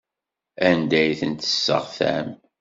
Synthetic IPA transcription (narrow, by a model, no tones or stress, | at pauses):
ænd̪æjθənt̪ə̥sːə̰ʁθæ̰m